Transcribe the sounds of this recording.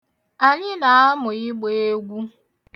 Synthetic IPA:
a˨ɲɪ˦na˨˦a˦mʊ˨ɪ˦ɡ͡be˦e˦ɡʷu˦

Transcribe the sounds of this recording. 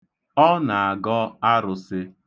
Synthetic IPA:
ɔ˦na˨a˨ɡɔ˦a˦ɾʊ˨sɪ˦

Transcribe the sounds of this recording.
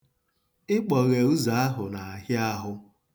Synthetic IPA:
ɪ˦k͡pɔ˨ɣe˨u˦za˨˦a˦ɦʊ˨na˨a˨ɦja˦a˦ɦʊ˦

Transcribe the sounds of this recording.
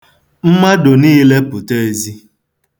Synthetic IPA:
m̩˦ma˦do˨niː˦le˦pʊ˨te˦e˨zi˦

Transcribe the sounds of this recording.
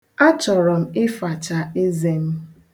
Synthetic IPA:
a˦t͡ʃɔ˨ɾɔ˨m̩˨ɪ˦fa˨t͡ʃa˨e˦ze˦m̩˦

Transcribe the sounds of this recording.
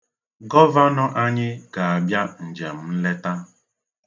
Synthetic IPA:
ɡɔ˦va˦nɔ˦ʔa˦ɲɪ˦ɡa˨a˨bja˦n̩˨d͡ʒe˨m̩˦m̩˦le˦ta˦

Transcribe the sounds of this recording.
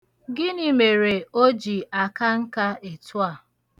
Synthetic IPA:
ɡɪ˦ni˨me˨ɾe˨o˦d͡ʒi˨a˨ka˦ŋ̩˦ka˦e˨tʊ˦a˦˨

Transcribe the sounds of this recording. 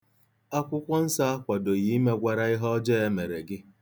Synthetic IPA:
a˦kʷʊ˦kʷɔ˦n̩˦sa˦kʷa˨do˨ɣi˨˦i˦me˦ɡʷa˨ɾa˦ɪ˦ɦɔ˦d͡ʒɛː˦e˦me˨ɾe˨ɡɪ˦

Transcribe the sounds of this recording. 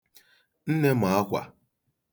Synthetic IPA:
n̩˦ne˦ma˨a˦kʷa̰˨

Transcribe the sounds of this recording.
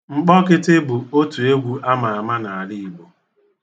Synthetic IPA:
ŋ͡m̩˨k͡pɔ˦kɪ˦tɪ˦bu˨o˦tu˨e˦ɡʷu˦ʔa˦ma˨a˨ma˦na˨a˨li˦i˨bo˨

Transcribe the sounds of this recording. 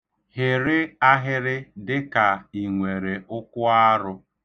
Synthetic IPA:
hɪ˨ɾɪ˦a˦ɦɪ˦ɾɪ˦dɪ˦ka˨i˨ŋʷe˨ɾe˨ʊ˦kʷʊ˦a˦ɾʊ˦

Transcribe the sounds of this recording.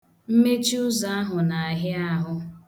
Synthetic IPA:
m̩˦me˦t͡ʃi˦ʊ˦za˨a˦ɦʊ˨na˨a˨ɦɪ˦a˦ɦʊ˦

